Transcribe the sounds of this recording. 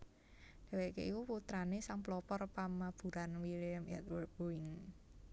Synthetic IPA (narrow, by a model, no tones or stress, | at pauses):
d̥ɛ̤wekḛʔikuput̪ɾanesaŋplɔpɔrpamab̥ṳɾanwiliəmɛ̰t̪wərk̚b̥oɪŋ